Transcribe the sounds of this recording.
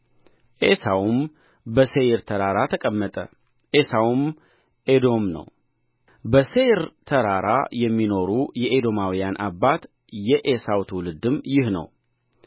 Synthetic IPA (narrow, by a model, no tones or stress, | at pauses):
ʔesawum | bəseɾt̪ʰəɾaɾat̪ʰəkʼəmːət̪ʼə̰ | ʔesawum | ʔed̪o̞mnə̰w | bəseɾt̪ʰəɾaɾa̰jɛmːino̞ɾujɛʔed̪o̞mawijanʔabːat̪ | jɛʔesawt̪ʰwlɨd̪ɨmjɪhnə̰w